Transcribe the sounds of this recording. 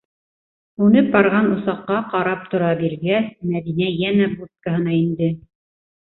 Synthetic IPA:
ʉnɘp̚bɑɾʁɑnŏsɑqːɑqɑɾɑp̚t̪ŏɾɑbiɾɡæsmæðinæjænæbut̪kaɦɤ̆nɑind̪ɘ

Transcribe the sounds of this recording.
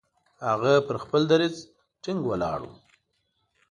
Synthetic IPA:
haɣapəɾxpəld̪aɾiz | ʈɪŋɡwəlɑ̰ɽṵ

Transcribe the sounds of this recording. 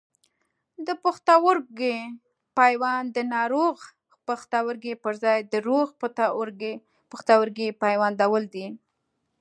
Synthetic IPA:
d̪əpəxt̪awʊɾɡe | pɑjwɑnd̪ənɑɾoɣ | pəxt̪awəɾɡepəɾzɑjd̪əɾoɣpt̪aɾɡ | pəxt̪awəɾɡepɑjwand̪awəld̪i

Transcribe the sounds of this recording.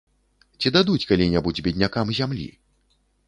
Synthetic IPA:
t͡sʲid̪ad̪ut͡sʲkalʲinʲabud͡zʲbʲɛd̪ʲnʲakamzʲamlʲḭ

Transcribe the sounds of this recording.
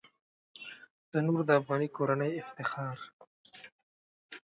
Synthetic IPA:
d̪̥ənuɾd̪əafɣɑnikoɾanəjɪft̪ɪxɑɾ

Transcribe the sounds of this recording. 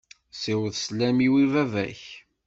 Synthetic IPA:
sæwəðslæmiwivævæ̰ç

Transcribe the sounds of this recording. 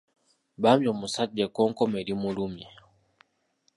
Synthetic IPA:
bamjɔmusad͡ʒɛkɔŋkɔmɛɾimulumjɛ

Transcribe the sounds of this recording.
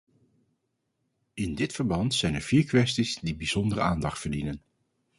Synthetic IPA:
ɪndɪtfəɹbɑntsɛjnɛɹv̥iːɹkʋɛstizdibiz̥ɔndərəaːndɑχtfəɹdinən

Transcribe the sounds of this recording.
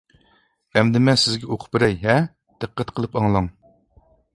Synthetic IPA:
ɛmd̪ɪmɛsɪzɡʲɛoqʰʊ̥pbɪɾɛjɦɛ | d̪̥ɨqʰːæt̪qʰəlˠɨpɑŋlˠɑŋ

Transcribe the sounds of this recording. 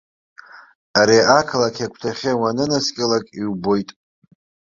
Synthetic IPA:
aɾiakʰlakʲʰakʷʰtʰaχʲawanɨnaskʲʼɪlakʼiwbo̞jtʼ

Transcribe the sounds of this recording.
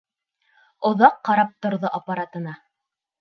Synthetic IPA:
ŏðɑqːɑɾɑp̚t̪ŏɾðoʔɐpaɾat̪ɤ̆nɑ

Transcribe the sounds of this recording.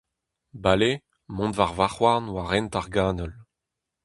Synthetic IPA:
bale | mɔ̃d̪vaʁvaχwaʁnwaʁɛnt̪aʁɡaːnɔl

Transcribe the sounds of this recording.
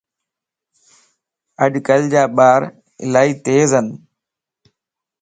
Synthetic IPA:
əɗkəld͡ʑaːɓaːɾ | ɪ̰laːiːt̪eːzən

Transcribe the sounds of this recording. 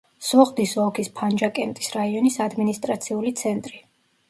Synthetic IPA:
sɔʁd̪isɔkʰispʰand͡ʒakʼɛnt̪ʼi̥sɾaiɔnisad̪minist̪ʼɾat̪sʰiulit̪sʰɛnt̪ʼɾi

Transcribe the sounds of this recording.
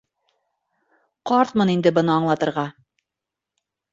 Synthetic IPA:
qɒɾt̪mɤnind̪ɘbɤ̆nɤːɴlˠɑt̪ɤ̆ɾʁɑ

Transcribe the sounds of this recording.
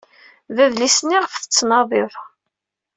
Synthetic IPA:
væðlisnːiʁəfθə̥t͡sːnɑðˤɪðˤ

